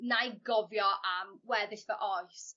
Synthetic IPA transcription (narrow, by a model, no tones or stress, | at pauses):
najɡɔvjɔʔamwɛðɪɬvəʔɔjs